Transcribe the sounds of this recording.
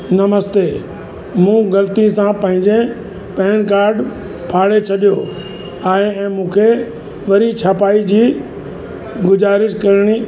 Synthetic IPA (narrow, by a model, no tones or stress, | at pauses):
nɐməst̪eː | mũːɡɐlt̪ĩsãpɐ̃ɦɪ̃ɲd͡ʑe | pɛɦɪnkaːɾɖ | pʰaːɽet͡ɕʰɐɗijoː | aːɦeɛ̃ːmũːkʰe | ʋɐɾit͡ɕʰaːpaːid͡ʑiː | ɡʊzaːɾɪʃkɐɾɪɽ̃i